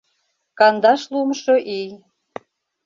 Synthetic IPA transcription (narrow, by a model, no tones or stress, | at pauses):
kɑnd̪ɑʃlumʃoʔij